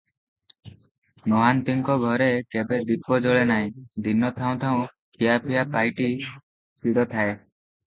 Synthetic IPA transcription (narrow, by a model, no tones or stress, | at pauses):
nɔɦant̪iŋkɔɡʱɔɾekebed̪ipːɔd͡ʒɔɭenaɦĩd̪ʱinːɔt̪ʰaw̃t̪ʰaʊ̃ | kʰijapʰijapajʈi | piɽɔt̪ʰae